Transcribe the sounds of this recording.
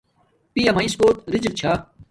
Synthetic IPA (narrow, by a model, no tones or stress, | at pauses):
piːɐmaiskoːt̪ɾɪd͡ʑɾt͡ɕʰa